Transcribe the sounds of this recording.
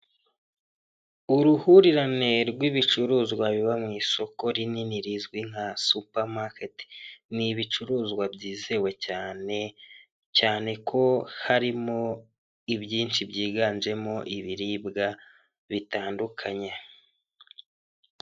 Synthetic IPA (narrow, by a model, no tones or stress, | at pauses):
uɾuhuɾiɾane̞ɾɡwiβit͡ʃuɾuːzɡwaβiβamŋiːso̞ko̞ɾininiɾizɡwiŋ̥asupaɾmaketi̥niβit͡ʃuɾuːzɡwabɟiːze̞we̞caːne̞ | caːne̞kʰo̞haɾimo̞ | ibjiːnt͡ʃibɟiːɡaːnd͡ʒe̞mo̞ʔiβiɾibɡa | βitaːndukʰaɲe